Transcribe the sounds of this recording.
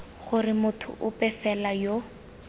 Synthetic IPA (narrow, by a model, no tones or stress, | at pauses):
χʊrɪmʊtʰʊ̰ʔʊpɛfɛlajo